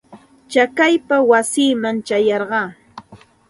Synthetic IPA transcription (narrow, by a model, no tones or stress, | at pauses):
t͡ʃakajpawasiːmaŋt͡ʃajɑɾɢɑː